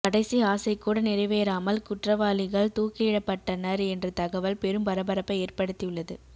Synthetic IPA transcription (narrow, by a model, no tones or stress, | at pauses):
kɐɽɐɪsiaːsɐɪkːuːɽɐnɪɾɐɪʋeːɾaːmɐlkʊʈrɐʋaːlɪɣɐɭt̪uːkɪɪɽɐpːɐʈːɐnɐɾɛndrɐt̪ɐɣɐʋɐlpɛɾɯmpɐɾɐbɐɾɐpːɐeːrpɐɽɯt̪ːijɯɭːɐðɯ